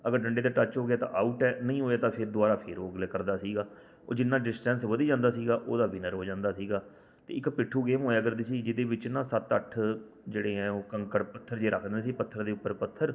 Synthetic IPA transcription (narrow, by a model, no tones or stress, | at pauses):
əɡəɾɖəɳɖeːt̪̬ãːʈət͡ʃɦoːɡɪaːt̪ã̰ːʔaːuʈɛːnəĩːɦoːjaːt̪ãːpʰɪɾd̪ʊaːɾaːpʰḛːɾoːɡleːkəɾd̪aːsiːɡaː | o̰ːd͡ʒɪnːaːɖɪsʈɛ̃ːnsʋəd̪iːd͡ʒãːnd̪aːsiːɡaːʔoːd̪aːʋɪnəɾɦoːd͡ʒãːnd̪aːsiːɡaː | t̪eːɪkpɪʈʰːuːɡeːmɦoːjaːəɡəɾd̪eːsiːd͡ʒɪd̪eːbɪt͡ʃnãːsət̪əʈʰ | d͡ʒeːɽeːɦɛ̃ːoːkəŋkəɽpət̪ʰːəɾd͡ʒeːɾəkʰd̪ẽnsiːpət̪ʰːəɾd̪eːʊpːəɾpət̪ʰːəɾ